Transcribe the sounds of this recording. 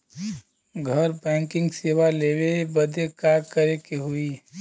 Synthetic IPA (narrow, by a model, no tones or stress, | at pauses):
ɡʱəɾbɛ̃ːŋkɪ̃ŋɡseːwaleːwebəd̪ʱekaːɾkəɾekeɦui